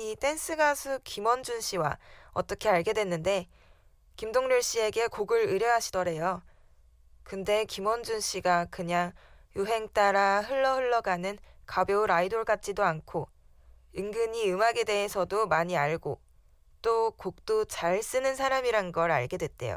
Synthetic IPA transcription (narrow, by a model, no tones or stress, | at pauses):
it͈e̞ns͈ʰɯɡasʰukimʌnd͡ʑunɕ͈ʰiwa̰ʌ̰t͈ʌkʰe̞aɭɡe̞dwe̞nːɯnde̞ | kimdoŋɲuɭɕ͈ie̞ɡe̞koɡɯɾɯɾjʌɦaɕʰi̥dʌɾe̞jo | kɯnde̞kimʌnd͡ʑunɕ͈ʰiɡakɯɲaŋjuɦe̞ŋt͈aɾaɦɯɭːʌhɯɭːʌɡanɯnkabjouɾaidoɭk͈at̚t͡ɕ͈idoankʰo | ɯŋɡɯɲiɯmaɡe̞de̞ɦesʰʌdomaɲiaɭɡo | t͈okok̚t͈ot͡ɕaɭs͈ɯnɯnsʰaɾamiɾanɡʌɾa̰ɭɡe̞dwet̚t͈e̞̰jo̰